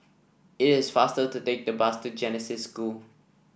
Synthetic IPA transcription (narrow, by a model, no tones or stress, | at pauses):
ɪtɪsfastətuteɪk̚d̪əbastud͡ʒɛnəsɪsːkul